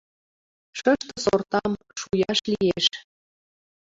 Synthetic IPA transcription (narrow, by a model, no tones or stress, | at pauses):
ʃəʃt̪əsort̪ɑm | ʃujɑʃlijeʃ